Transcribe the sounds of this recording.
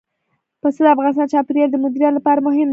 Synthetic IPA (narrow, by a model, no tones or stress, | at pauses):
pəsəd̪əafɣɑnɪst̪ɑnt͡ʃɑpiɾjald̪əmʊd̪iɾjɑt̪lapɑɾamʊɦɪm